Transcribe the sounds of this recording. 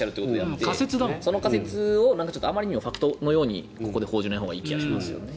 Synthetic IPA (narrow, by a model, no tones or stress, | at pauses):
aɾɯ̟t̪eikotoeaekase̞t͡sɨd̪amoso̞no̞kaset͡sɨo̞nãŋkat͡ɕotːamːaɾʲiɲ̟imoɸakɯ̟̥t̪o̞no̞jo̞ːɲ̟ḭ | ko̞ko̞d̪e̞ho̞ːʑinaiɦoːɡaiːkʲiɡaɕimasɨjo̰ne